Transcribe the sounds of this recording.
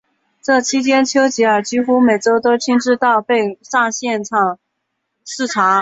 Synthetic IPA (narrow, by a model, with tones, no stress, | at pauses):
ʈ͡ʂɤ˥˩t͡ɕʰi˥t͡ɕʰjɛ˥nt͡ɕʰjo˥ʊt͡ɕi˧˥ə˞˨˩t͡ɕi˥xu˥me˨˩ɪʈ͡ʂo˥ʊt̪o˥ʊt͡ɕʰi˥ŋʈ͡ʂɻ̩˥˧t̪ɑ˥˧ʊpe˥˧ɪʂa˥˧ɕjɛ˥˧nʈ͡ʂʰɑ˨˩ŋ | ʂɻ̩˥˩ʈ͡ʂʰa˧˥